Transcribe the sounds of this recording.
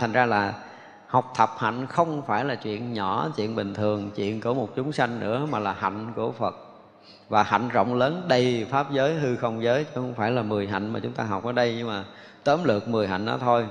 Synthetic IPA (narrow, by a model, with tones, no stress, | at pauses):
t̪ʰa˨˩ŋ̟zaː˧laː˨˩ | ha˨˩wk͡p̚t̪ʰə˨˩p̚ha̰˧˨jŋ̟xə˧wŋ͡mfaː˧˩jlaː˨˩t͡ɕwḭ˧˨ənɲɔ˧˩˦t͡ɕwḭ˧˨ənɓï˨˩ŋ̟t̪ʰɨ˨˩əŋt͡ɕwḭ˧˨ənku˧˩əmo˨˩t̚t͡ɕʊ˨˦ŋ͡msa˧jŋnɨ̰˧˥əmaː˨˩laː˨˩ɦa̰˧˨jŋ̟ku˧˩əfə˨˩t̚ | vaː˨˩ha̰˧˨jŋ̟zə̰˧˨wŋ͡mləː˨˦nɗə˧jfaː˦˥p̚zəː˨˦jɦɨ˧xə˧wŋ͡mzəː˨˦jt͡ɕɔ˧xə˧wŋ͡mfaː˧˩jlaː˨˩mɨ˨˩əjɦa̰˧˨jŋ̟maː˨˩t͡ɕʊ˨˦ŋ͡mt̪aː˧ɦa˨˩wk͡p̚ʔəː˨˩˦ɗə˧jɲɨ˧ŋmaː˨˩ | t̪əː˨˦mlɨ̰˨˩ək̚mɨ˨˩əjɦa̰˧˨jŋ̟ʔɔ̰˨˦t̪ʰo˧j